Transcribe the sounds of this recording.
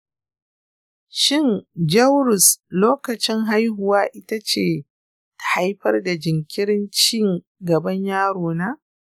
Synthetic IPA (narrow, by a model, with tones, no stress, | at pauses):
ʃɪ˦˨nd͡ʒɐ˦wɾʊ˨sloː˦kɐ˨t͡ʃɪ˦ŋɦa˦jɦʊ˨waː˦ʔɪ˦ta˦t͡ʃeː˨ | tha˦jɸɐ˦rda˨d͡ʒɪ˨ŋkʲɪ˦ɽɪ˦nt͡ʃiː˦˨ŋ | ɡɐ˨bɐ˦ɲjaː˦ɽoː˨naː˦